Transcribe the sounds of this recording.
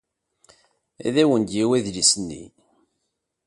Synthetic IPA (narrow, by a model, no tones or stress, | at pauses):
æ̰ðæwənd̪jiwæðlisənːḭ